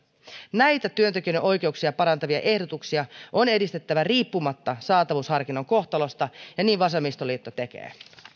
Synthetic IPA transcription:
næjt̪æt̪yønt̪ek̟yøneʔo̞jk̟e̞uksiɑpɑɾɑnt̪ɑʋiɑ̰ʔe̞hdo̞t̪uksiɑʔo̞ne̞dist̪e̞t̪ːæʋæriːpːumɑt̪ːɑsɑːt̪ɑʋushɑrkinːoŋko̞xt̪ɑlo̞st̪ɑjɑniːʋʋɑsemːist̪oliːt̪ːot̪e̞k̟ḛː

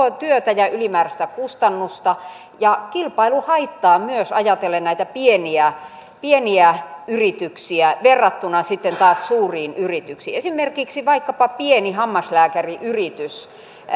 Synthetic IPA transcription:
ot̪yøt̪æjɑʔylimæːræst̪ækust̪ɑnːust̪ɑ | jɑkilpɑiluhɑit̪ːɑːmyøsɑjɑt̪elːennæit̪æpieniæ | pieniæyrit̪yksiæʋerːɑt̪ːunɑsit̪ːent̪ɑːssuːriːnyrit̪yksḭːesimerkiksiʋɑikːɑpɑpienihɑmːɑslæːkæriʔyrit̪ys

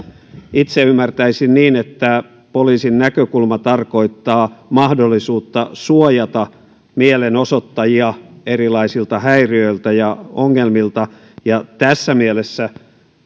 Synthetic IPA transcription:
it̪seymːært̪æisinniːnet̪ːæ | poliːsinnækøkulmɑt̪ɑrko̞it̪ːɑːmɑhdolːisuːt̪ːɑsuojɑt̪ɑ | mielenosot̪ːɑjiɑerilɑisilt̪ɑhæiriøilt̪æjɑoŋːelmilt̪ɑ | jɑt̪æsːæmielesːæ

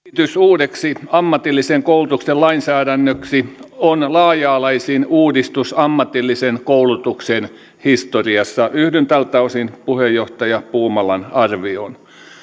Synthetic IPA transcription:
t̪ysuːdeksiɑmːɑt̪ilːiseŋkoulut̪uksellɑinsæːdænːøksionlɑːjɑːlɑisiːnuːdist̪usɑmːɑt̪ilːisenkoulut̪uksen | hist̪oriɑsːɑʔyhdent̪ælt̪ːɑusinpuhejoht̪ɑjɑpuːmɑlɑnɑrʋio̰n

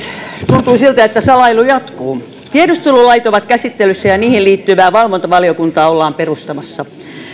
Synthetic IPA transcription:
t̪unt̪uːsilt̪æet̪ːæsɑlɑilujɑt̪kuː | t̪iedust̪ululɑit̪oʋɑt̪kæsit̪ːelysːæjɑniːhilliːt̪ːyʋæːʋɑlʋont̪ɑʋɑliokunt̪ɑːolːɑːmperust̪ɑmɑsːɑ

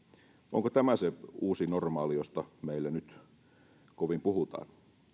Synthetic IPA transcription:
ʔo̰ŋkot̪æmæseuːsinormɑːlijost̪ɑmeilːænyt̪ | koʋimpuhut̪ɑ̰ːn

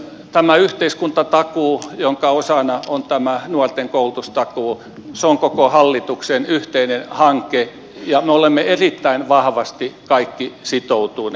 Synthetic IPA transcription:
t̪æmæyht̪eiskunt̪ɑt̪ɑkuːjoŋkɑosɑnɑont̪æmænuɑrt̪eŋkoult̪ust̪ɑkuː | seoŋkokohɑlːit̪uksenyht̪einenhɑŋke | jɑmeolemːeerit̪ːæinʋɑhʋɑst̪ikɑikːisit̪out̪un

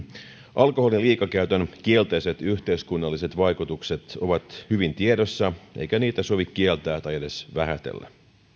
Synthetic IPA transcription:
ʔɑlko̞holiliːkɑkæyt̪ønkielt̪ejse̞t̪yht̪eiskunːɑlːiset̪ʋɑjkut̪ukse̞t̪oʋɑt̪hyʋint̪iedosːɑʔḛijkæniːt̪æso̞ʋikkːielt̪æːt̪ɑjede̞sʋæɦæt̪ḛlːæ̰

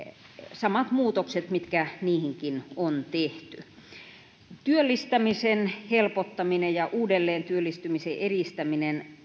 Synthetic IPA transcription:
sɑmɑt̪muːt̪okset̪mit̪kæniːhiŋkinont̪eht̪y | t̪yølːist̪æmisenhelpot̪ːɑminejjɑʔuːdelːeːnt̪yølːist̪ymiseʔerist̪æminen

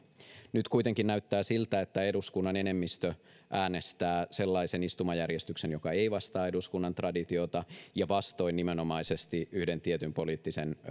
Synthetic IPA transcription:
nyt̪kuit̪eŋkinnæyt̪ːæːsilt̪æet̪ːæe̞duskunːɑne̞nemːist̪ø | ʔæːne̞st̪æːse̞lːɑise̞nist̪umɑjærjest̪yksenjokɑeiʋɑst̪ɑːe̞duskunːɑnt̪rɑdit̪io̞t̪ɑjɑʋɑst̪o̞innimeno̞mɑisest̪iʔyhde̞nt̪iet̪ympo̞liːt̪ːisen

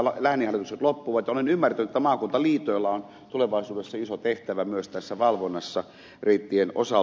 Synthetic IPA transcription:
læhniɑlit̪ukset̪lopːuʋɑt̪jɑolenymːært̪ænyt̪et̪ːæmɑːkunt̪ɑliːt̪oelːɑon | t̪uleʋɑˑisuːdesːɑisot̪eht̪æʋæmyøst̪æsːæʋɑlʋonːɑsːɑ | reit̪ːieno̰sɑ

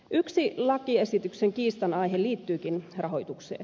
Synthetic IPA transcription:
ʔyksilɑkie̞sit̪ykseŋkiːst̪ɑnɑjɦeliːt̪ːyːkinrɑɦo̞jt̪uksḛː

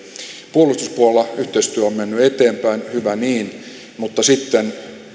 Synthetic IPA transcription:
puolust̪uspuollːɑyht̪eist̪yæommenːyet̪eːmpæinhyʋæniːn | mut̪ːɑsit̪ːen

